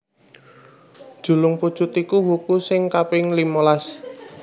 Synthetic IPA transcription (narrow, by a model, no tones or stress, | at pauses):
d̥ʒ̥ṳlʊŋpu̥t͡ʃut̪ikuwukusɪŋkapɪŋlimolas